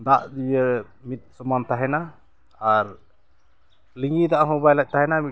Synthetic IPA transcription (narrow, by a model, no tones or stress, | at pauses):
d̪aʔdijə | mit̪̚sɔmant̪aɦɛna | aɾ | liŋid̪aʔɦɔ̃bajlac̚ˀt̪aɦɛnami